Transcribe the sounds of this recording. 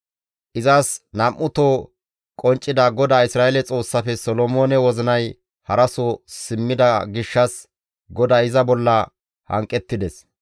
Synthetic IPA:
ʔɪzaːsnɐmʔːʊt̪oː | kʼɔnt͡ʃʼːɪd̪ɐɡɔd̪aːɪsɾaːelɛt͡sʼo̞ːsːɐfɛsɔlɔmoːnɛwɔzɪnɐj | hɐɾɐsosɪmːɪd̪ɐɡɪʃːɐs | ɡɔd̪aːɪzɐbɔlːɐ | hɐ̰ŋkʼːɛt̪ːɪd̪ɛs

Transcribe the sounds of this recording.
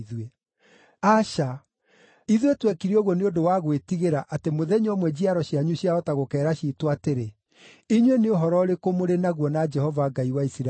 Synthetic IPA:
ðwe | aʃa | iðwetwekiɾiɔɣwɔneondowaɣwetiɣeɾaʔatemoðɛɲɔmwɛd͡ʑiaɾɔɕiaɲuɕjaɔtaɣokɛːɾaɕiːtwateɾe | iɲweneoɦɔɾɔɾekomoɾenaɣwɔnad͡ʒɛhɔvaɡaiwaisiɾa

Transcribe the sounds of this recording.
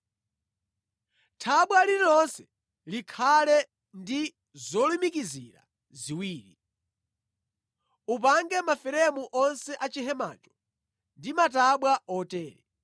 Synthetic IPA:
tʰaɓwaliɾɔnsɛ̥ | likʰalɛ | ndi | zɔlimikiziɾa̰ | ziwiːɾi | upaŋɡɛmafɛɾɛmuʔɔnsɛʔat͡ʃiɦɛma̰ːt͡ʃɔ̥ | ndimataɓwaɔtɛːɾɛ

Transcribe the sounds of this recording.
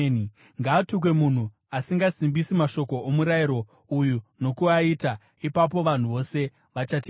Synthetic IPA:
n | ŋɡaːtuk̬we̞mun̤u | asiŋɡasimbisimaʃo̞ko̞ʔomuɾaiɾo̞ | ujuno̞kuaita | ipap̬o̞ʋan̤uʋo̞se̞ | ʋat͡ʃati

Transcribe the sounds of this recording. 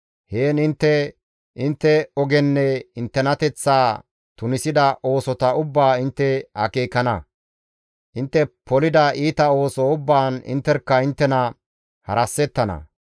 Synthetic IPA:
heːnɪnt̪ːɛ | ʔɪnt̪ːɛɔɡɛnːɛɪnt̪ːɛnɐt̪ɛt͡sːaː | t̪ʊnɪsɪd̪ɐʔo̞ːsɔt̪ɐʊbːaːɪnt̪ːɛhɐ̰keːkːɐnɐ | ʔɪnt̪ːɛpɔlɪd̪ɐʔiːt̪ɐo̞ːsɔʊbːaːnɪ̰nt̪ːɛɾkːɐɪnt̪ːɛnɐ | hɐ̰ɾɐsːɛt̪ːɐnɐ̰

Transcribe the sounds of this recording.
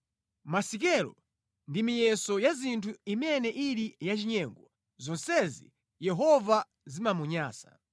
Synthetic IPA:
masik̬ɛlɔ̰ | ndimijɛsɔjazintʰuimɛnɛʔiɾijat͡ʃiɲɛːŋɡɔ | zɔnsɛzḭ | jɛɦɔva | zimamuɲaːsḁ̰

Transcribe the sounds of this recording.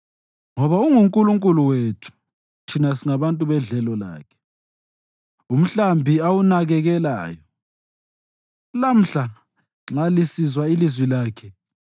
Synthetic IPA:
ŋɔβauŋuŋkʼuluŋkʼuluwetʰu̥ | tʰinasiŋaβantʼuβɛɮɛlɔla̰ːkʰɛ̥ | um̩ɬambʱiawunaɣɛɣɛla̰ːjɔ | lam̩ɬa | alisizwailizwilaːkʰɛ

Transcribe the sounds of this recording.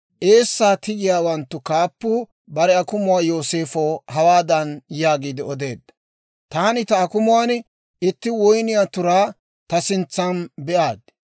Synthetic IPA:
ʔe̞ːsːaːt̪ɪɡɪjaːwɐnt̪ːʊkaːpːuː | bɐɾɛɐkʊmʊwaːjo̞ːse̞ːfoːhɐwaːd̪ɐnjaːɡiːd̪ɪɔd̪e̞ːd̪ːɐ | t̪aːnɪt̪ɐːkʊmʊwaːn | ʔɪt̪ːɪwɔjnɪjaːt̪ʊɾaː | t̪ɐsɪnt͡sːɐnbɛʔaːd̪

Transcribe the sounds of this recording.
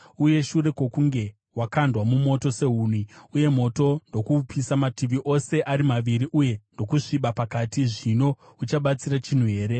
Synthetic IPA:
uje̞ʃure̞kwo̞kuŋɡe̞ | wakandwamumo̞to̞se̞ɦuːnwiuje̞mo̞to̞ndo̞kupʰisamatiʋiʔo̞se̞ʔaɾimaʋiɾiʔuje̞ndo̞kuʂiɓapakatiʐino̞ | ut͡ʃaɓat͡sirat͡ʃin̤uɦe̞ːɾe̞

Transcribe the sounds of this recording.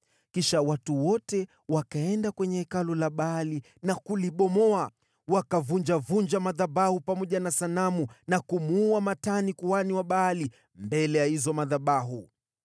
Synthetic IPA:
kiʃawatuwɔtɛ | wakaɛndakwɛɲɛɛkalɔlaɓaali | nakuliɓɔmɔa | wakavuɲd͡ʒavuɲd͡ʒamaðaɓahupamɔʄanasanamunakumuamatanikuaniwaɓaːli | mbɛlɛjahizɔmaðaɓaɦu

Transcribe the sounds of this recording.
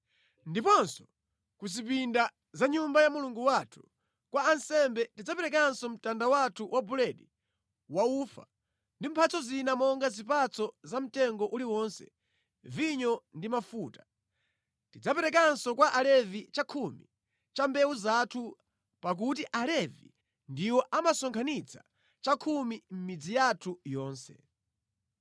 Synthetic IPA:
ndipɔnsɔ̥ | kuzip̬inda | zaɲumbajamuluŋɡuwatʰu̥ | kwaːnsɛmbɛtid͡zapɛɾɛk̬ansɔm̩tandawatʰuwʔabulɛɗi | waufa̰ | ndim̩pʰat͡sɔzinamɔŋɡazipat͡sʰɔzam̩tɛŋɡɔʔuliwɔnsɛ̰ | viɲɔndimafuːtḁ | tid͡zapɛɾɛkansɔkwaʔalɛvit͡ʃakʰumḭ | t͡ʃambɛwuzatʰu | pak̬ut̬iʔalɛvḭ | ndiwɔʔamasɔŋkʰanit͡sʰḁ | t͡ʃakʰumim̩mid͡zijatʰujɔːnsɛ̰

